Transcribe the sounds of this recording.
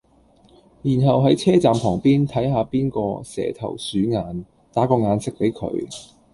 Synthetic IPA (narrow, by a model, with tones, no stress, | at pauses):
jiː˨˩nɦɐ˨wɦɐ˨˥jt͡sʰɛː˥t͡saː˨mpʰɔː˨˩ŋpiː˥nt̪ʰɐ˨˥jɦaː˧piː˥nkɔː˧sɛ̰ː˨˩t̪ʰɐ̰˨˩wsyː˨˥ŋaː˨˧n | t̪aː˨˥kɔː˧ŋaː˨˧nsɪ˥k̚pe˨˥jkʰɵ̰˨˧˥ɥ